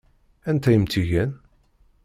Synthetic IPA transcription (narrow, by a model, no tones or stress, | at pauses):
ænt̪æjəmt̪ʰiʝæn